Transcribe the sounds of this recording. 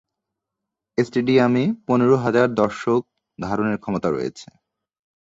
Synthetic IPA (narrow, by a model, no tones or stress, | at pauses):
esʈeɖiameponeɾoɦad͡ʑaɾd̪ɔɾʃok̚ | d̪ʱaɾoneɾkʰɔmot̪aɾo̰jḛt͡ɕʰe̥